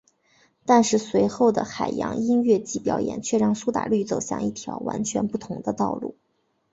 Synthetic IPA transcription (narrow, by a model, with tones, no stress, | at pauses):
t̪a˥˧nʂɻ̩˥˩swe˧˥ɪxo˥˩ʊd̪ə̰˩xa˨˩ɪjɑ̰˧˥ŋi˥nɥɛ˥˧t͡ɕi˥˩pjɑ˧˥ʊjɛ̰˨˩nt͡ɕʰɥɛ˥˧ɻɑ˥˩ŋsu˥t̪a̰˨˩ly˥˩t͡so˨˩ʊɕjɑ̰˥˩ŋi˥˩t̪ʰjɑ˧˥ʊwa̰˧˥nt͡ɕʰɥɛ˧˥npu˥˩t̪ʰʊ˧˥ŋd̪ə˧t̪ɑ˥˧ʊlṵ˥˩